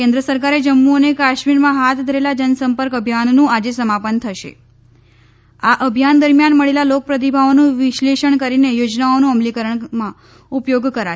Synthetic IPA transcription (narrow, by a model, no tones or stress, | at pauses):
kẽnd̪ɾəsəɾkaɾed͡ʒəmːuonekaʃmiɾmãɦat̪ʰd̪ʱəɾelad͡ʒənsəmpəɾkəbʱjanːũad͡ʒesəmapənt̪ʰəʃḛ | aʔəbʱjand̪əɾmjanməɭelalok̚pɾət̪̬ibʱaonũʋiʃleʃəɳkəɾinejod͡ʒnaonũəmlikəɾəɳmã | upjoɡkəɾa